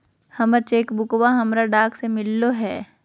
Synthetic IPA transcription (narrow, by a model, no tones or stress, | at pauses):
hɐmɐt͡ʃeːkbʊkʋaɦɐmɾaɖaːksemɪlːoɦɛː